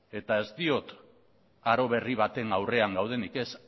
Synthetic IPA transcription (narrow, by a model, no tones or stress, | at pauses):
e̞t̪ae̞zt̪io̞t̪ | aɾo̞βe̞riβ̞at̪e̞ŋawre̞aŋɡawð̞e̞nike̞s